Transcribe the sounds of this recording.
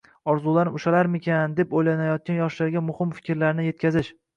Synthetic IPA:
ɒɾzulaɾnʊʃalaɾmɪkʲand̪e̞pojlanajɒt̪̚kʲanjɒʃlaɾɡʲamʊhɪmfɪ̥kʲɾlaɾnɪje̞t̪̚kʲʰazɪʃ

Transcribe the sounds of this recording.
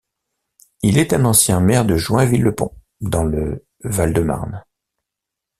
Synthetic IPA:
ilɛt̪ɛ̃nɑ̃sjɛ̃mɛʁd̪əʒwɛ̃vilːəpɔ̰̃ | d̪ɑ̃lə | vald̪əma̰ʁn

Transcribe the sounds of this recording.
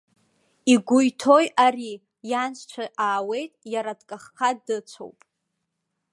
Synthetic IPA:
iɡʷʊjtʰo̞jari | jansʰʷt͡ʃʷʰaʔaːwe̞jtʼjaɾadkʼaχqʰadɨt͡sʷʰo̰wpʼ

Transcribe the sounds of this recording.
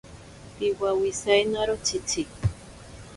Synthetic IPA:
piwawisajnaɾot͡ʃit͡si

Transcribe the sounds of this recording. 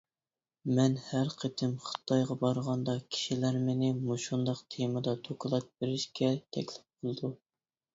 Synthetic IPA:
mɛnhæɾqʰət̪ʰɪmχə̥t̪ʰɑjʁɑbɑɾʁɑnd̪ɑkʲʰi̥ʃilæɾmɪnɪmuʃund̪ɑqt̪ʰemɨd̪ɑt̪ʰokʰɨlˠɑt̪̚beɾɪʃkʲɛt̪ʰɛ̰kʲlɪp̚bolˠd̪u

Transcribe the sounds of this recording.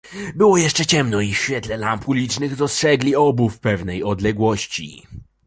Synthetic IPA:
bɘwɔjɛʂt͡ʂɛt͡ɕɛmnɔifɕfʲjɛt̪lɛlampulʲit͡ʂnɘɣd̪ɔstʂɛɡlʲiɔbufpɛvnɛjɔd̪lɛɡwɔɕt͡ɕḭ

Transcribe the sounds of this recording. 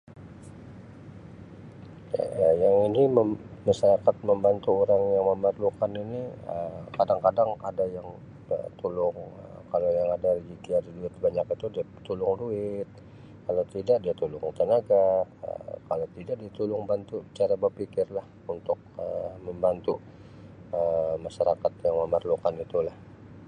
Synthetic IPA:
ja̰ajaŋiniməːaʃaɾakat̪̚məmbant̪uoɾaŋjaŋməmərlukaniniəkadaŋkadaŋadajaŋ | ə̰t̪ulʊŋəkalajaŋadaɾid͡ʒit̪iadaduɪt̪̚baɲakit̪udia | t̪ulʊŋduɪt̪̚ | kalawt̪idaʔdiat̪ulʊŋt̪ənaɡaə̰kalawt̪idaʔdiat̪ulʊŋbant̪ut͡ʃaɾabərpikɪrlah | unt̪ʊk̚əməmbant̪u | əmaʃaɾakat̪jaŋməmərlukanit̪ulah

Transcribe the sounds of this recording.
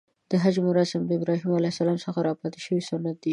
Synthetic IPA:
d̪̥əɦad͡ʒmʊɾɑsamd̪əɪbɾɑɦimalajsalɑmsəxaɾɑpɑt̪ɪ̥ʃəwisʊnat̪̚d̪i

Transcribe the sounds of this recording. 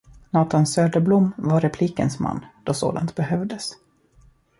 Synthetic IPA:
nɑːt̪ansøːd̪əblʊmːvaɾɛpʰliːkənsma̰nːd̪̥ɔso̰ːd̪a̰nt̪̚bɛhœvd̪əs

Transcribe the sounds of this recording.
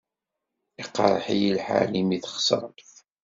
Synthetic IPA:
iqːɑɾˤəħijilħa̰limiθχsɾˤθ

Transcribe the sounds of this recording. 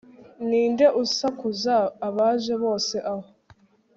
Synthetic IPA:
niːnde̞ʔusakuzaːβaʒe̞βo̞ːse̞ʔaho

